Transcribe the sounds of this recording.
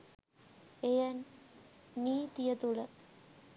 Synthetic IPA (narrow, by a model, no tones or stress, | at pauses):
ejɐnː | iːt̪ijɐt̪uɭə